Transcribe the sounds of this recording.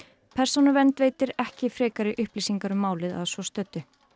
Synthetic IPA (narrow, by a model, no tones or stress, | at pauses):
pʰɛr̥sonʏvɛnt̪veːjt̪ɪɾɛhcɪfɾeːkaɾɪʔʏhpliːsiŋkaɾʏmaːwlɪða̰ðsvɔst̪œt̪ːʏ